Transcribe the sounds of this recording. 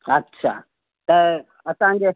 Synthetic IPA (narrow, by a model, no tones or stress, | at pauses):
ɐtːʃʰa̰ː | t̪ɐ | ɐsãɡe